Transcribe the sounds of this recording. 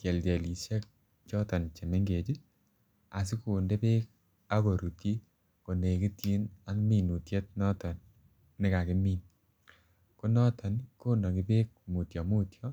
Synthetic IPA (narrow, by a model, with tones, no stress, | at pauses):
tjɛ˨ltɛ˨li˨se˦k̚ | t͡ʃɔ˦tɔ˨nt͡ʃe˨me˦ŋɡe˨t͡ʃi˦ | a̰˨s̬i˦ku˨nde˦pe˦k̚ | a˦ko˨ɾu˨ti˦ | ko˨ne˨ki˦tji˦na˦kmi˨nu˨tje˦t̚nɔ˦tɔ˨nː | ɪ˦ka˨ki˦miː˦n | ko˦nɔ˦tʰɔ˨nko˦no˨ki˨peː˦k̚mu˨tjɔ˨mu˦tʰjɔ˦